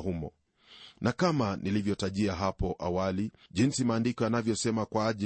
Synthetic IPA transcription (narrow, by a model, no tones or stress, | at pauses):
humɔ̰ | nakamanilivjɔtaʄiaɦapɔʔawaliʄinsimaːndikɔanavjɔsɛmakwaːʄi